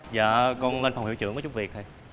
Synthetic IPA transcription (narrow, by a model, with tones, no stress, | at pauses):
za̰ː˧˨kɔ˧nle˧nfa˨˩wŋ͡mhi˧˥˩wt͡ɕɨ̰˧˥əŋvt͡ɕʊ˦˥k͡p̚vi˨˩ək̚hə˧j